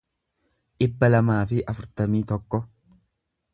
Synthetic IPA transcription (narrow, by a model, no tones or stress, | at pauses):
ʔɪbːɐlɐmaːfɪʔɐfʊɾt̪ɐmiːt̪ɔkːɔ